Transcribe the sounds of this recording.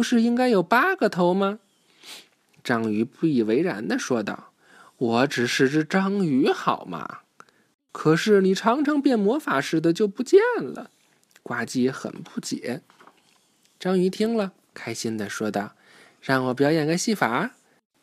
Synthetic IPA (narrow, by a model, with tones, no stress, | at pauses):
pu˧˥ʂɻ̩˥˧i˥ŋka˥ɪjo˨˩ʊpa˥ɡə˨t̪ʰo˧˥ʊmɐ˧ | ʈ͡ʂɑ˥ŋy˧˥pu˥˩i˨˩we˧˥ɪɻa̰˧˥nd̪ə˧ʂwɔ˥t̪ɑ̰˥˩ʊ | wɔ˧˥ʈ͡ʂɻ̩˨˩ʂɻ̩˥˩ʈ͡ʂɻ̩˥˧ʈ͡ʂɑ˥ŋy˧˥xɑ˨˩ʊmʔɐ̰˧ | kʰɤ˨˩ʂɻ̩˥˩ni˨˩ʈ͡ʂʰɑ˧˥ŋʈ͡ʂʰɤ˧˥ŋpjɛ˥˩nmwɔ˧˥fa˨˩ʂɻ̩˥˩d̪ə˨t͡ɕjo˥˩ʊpu˧˥t͡ɕjɛ˥˩nlə̰˩ | kwa˧˥t͡ɕi˥˩˧xə̰˨˩npu˥˩t͡ɕjɛ̰˨˧˥ | ʈ͡ʂɑ˥ŋy˧˥t̪ʰi˥ŋlə˨ | kʰa˥ɪɕi˥nd̪ə˨ʂwɔ˥d̪ɑ˥˩ʊ | ɻɑ˥˩ŋwɔ˨˩p̬jɑ˨˧˥jɛ˨˩nka˧˥ɪɕi˥˩fa˨˧˥